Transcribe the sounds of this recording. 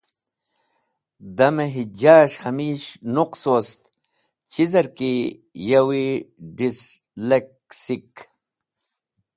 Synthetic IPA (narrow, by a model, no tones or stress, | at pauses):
d̪ɐmeɦid͡ʑaːɕhɐmiːɕnuqsost̪ | t͡ɕizɐɾki | jɐwiɖis | lek | sik